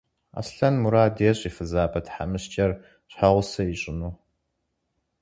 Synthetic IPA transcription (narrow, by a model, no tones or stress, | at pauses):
a̰ːsɬɐnmuɾaːdeːɕʼifɨzaːbɐtħa̰mɨɕt͡ʃʼɐr | ɕħaʁʷʊsɐiɕʼɪnuː